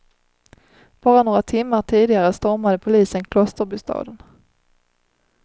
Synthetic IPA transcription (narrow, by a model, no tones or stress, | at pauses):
b̥ɑːɾanoːɾat̪ʰɪmːaʈʰiːd̪ɪɡaɾəst̪ɔɾmad̪əpʰʊliːsənkʰlɔst̪əɾbʏst̪ʰɑ̰ːd̪ən